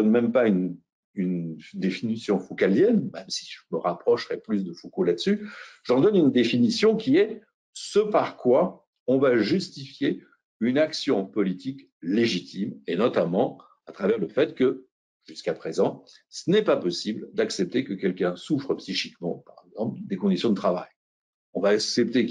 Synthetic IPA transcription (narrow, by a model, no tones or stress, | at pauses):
ɔnmɛmpayn | ynd̪efinisjɔ̃fukaljɛnmɛmsi̥ʒəməʁapχɔʃʁɛplys̬d̪əfokolad̪əsyʒ̥ɑ̃d̪ɔnynd̪efinisjɔ̃kʲiɛ | səpaʁkwa | ɔ̃vaʒyst̪ifje | ynaksjɔ̃pɔlit̪ʰik | leʒit̪ʰimenɔt̪amɑ̃ | at̪χavɛʁləfɛt̪kə | ʒ̥yskapχezɑ̃ | sənɛpapɔsibld̪aksɛp̚t̪ekəkʲɛlkʲɛ̃sufχəpsiʃikmɑ̰̃paʁɛɡzɑ̃pld̪ekɔ̃d̪isjɔ̃d̪ət̪χava̰j | ɔ̃vaːksɛp̚t̪e